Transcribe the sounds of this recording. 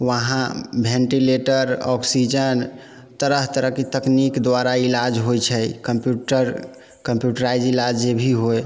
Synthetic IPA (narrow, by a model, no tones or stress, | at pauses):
ʋəɦãbʱẽɳʈileʈəɾɔ̰ksid͡ʒən | t̪əɾəɦt̪əɾəɦket̪əknikd̪ʋaɾailad͡ʒɦojt͡ʃʰɛkəmpjuʈəɾ | kəmpjuʈəɾajd͡ʒilad͡ʒebʱiɦoj